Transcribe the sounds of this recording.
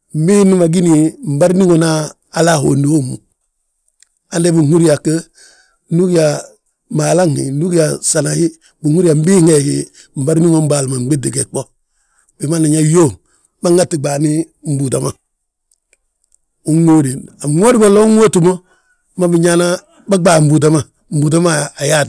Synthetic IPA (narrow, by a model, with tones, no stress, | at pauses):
m̩˦bi˦ni˦ma˨ɡi˦ni˨m̩˨ba˦ɾni˦ŋo˨naː˦˨ | la˦˨ɦo̰˨ndi˦ho˦˨mṵ˨ | a˦nde˦bi˨ŋu˦ɾi˦ja˨kə˦ | nu˦ki˦ja˨ | maː˨la˦ŋḭ˨nu˦ki˦ja˨sa˨na˨hi˦ | bi˨hu˦ɾi˦a˨m̩˦bi˦ŋe˨ɡi˨ | m̩˨ba˦ɾni˦ŋo˦m˦ba˨lma˨˦ɡ͡be˦di˨ɡɛ˨k͡po˦ | b̥i˨ma˦na˨ɲa˦jo˦˨ | ba˦ŋa˦ti˨ɡ͡baː˨ni˦ | m̩˦bu˨da˨ma˨ | u˦ŋo˦ɾi˨a˨ŋo˦ɾi˦bɔ˨lɔ˦ŋo˦tu˨mo˦ | ma˦bi˨ɲa˦na˦ | ba˦ɡ͡baː˨m̩˦bu˨da˦ma˨ | m̩˦bu˨da˦maː˦˨ja˦˨